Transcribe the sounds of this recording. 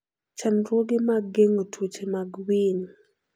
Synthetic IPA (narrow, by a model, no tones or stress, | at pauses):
t͡ʃanɾwoɡɪmaɡeŋotʰut͡ʃemaɡwin